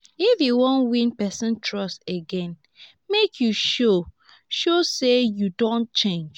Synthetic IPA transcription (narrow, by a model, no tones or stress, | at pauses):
ifjuwõnwĩnpɛsə̃ntʰɹɔsteɡɛ̃n | mekʰjuʃo | ʃosejudõnt͡ʃẽnd͡ʒ